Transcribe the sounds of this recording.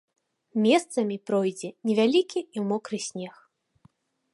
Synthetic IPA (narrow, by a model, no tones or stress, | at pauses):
mʲɛst̪sɐmʲipɾɔjd͡zʲɛnʲɛvʲalʲikʲiiwmɔkɾɨsʲnʲɛx